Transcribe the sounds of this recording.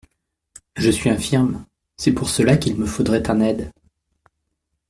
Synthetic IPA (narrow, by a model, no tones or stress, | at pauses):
ʒəsɥiɛ̃fiʁm | sɛpuʁsəlakilməfod̪ʁɛt̪ɛ̃nɛd̪